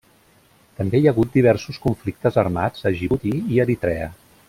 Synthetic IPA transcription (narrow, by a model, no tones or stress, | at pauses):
t̪əmbejəɣut̪̚d̪iβ̞ɛɾsuskuɱflik̚t̪əzərmad͡zəʒiβut̪iiəɾit̪ɾɛə̰